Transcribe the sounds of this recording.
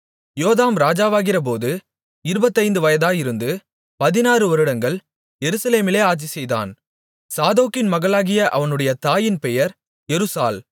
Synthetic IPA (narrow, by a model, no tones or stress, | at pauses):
joːðaːmɾaːd͡ʒaːʋaːɣɪrɐp̬oːðɯ | ɪɾɯbɐt̪ːɐɪnd̪ɯʋɐjɐðaːjɪɾɯnd̪ɯ | pɐðɪnaːrɯʋɐɾɯɽɐŋɡɐɭ | jɛɾɯsɐleːmɪleːaːʈt͡ʃisɛjða̰ːn | saːðoːkːɪnmɐɣɐɭaːɣɪjɐʔɐʋɐnɯɽɐjɐt̪aːjɪnpɛjɐɾ | ɛɾɯsa̰ːl